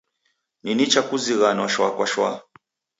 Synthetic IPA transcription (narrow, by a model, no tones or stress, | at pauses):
ninit͡ʃakuziɣanwaʃwakwaʃwa̰